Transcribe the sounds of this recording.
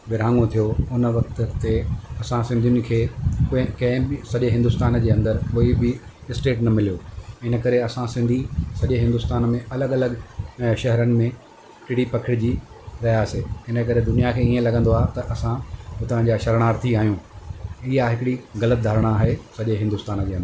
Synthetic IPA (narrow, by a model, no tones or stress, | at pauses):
bɪɾãːŋɡõt̪ʰijoʊnʋɐkt̪t̪eɐsãsɪ̃nd̪ʱijʊnɪ̆kʰeːkʊɪ̃kɐ̃ɦɪ̃bɪsɐʄeɦɪ̃nd̪ʊst̪aːnd͡ʑeːɐ̃nd̪əɾkoːibɪ | ɪsʈeːʈnɐmɪlijoːɪnə̆kɐɾeɐsãsɪ̃nd̪ʱisɐʄeɦɪ̃nd̪ʊst̪aːnmẽɐləɠɐləɠʃɐɦɾənɪ̆mẽ | kɪɽipɐkʰɪɽɪd͡ʑiːɾɐjaːseɪnə̆k̬ɐɾed̪ʊnijakʰeːiẽlɐɡə̃nd̪oaːɦet̪ɐʔɐsãpʊt̪ɐʋ̤ãɲd͡ʑaːʃɐɾɽ̃aːɾt̪ʰiaːɦijũːiɦaɦɪkɪɽiɣɐlət̪̚d̪ʱaːɾɽ̃aːɦesɐʄeɦɪ̃nd̪ʊst̪aːnd͡ʑeːɐ̃nd̪əɾ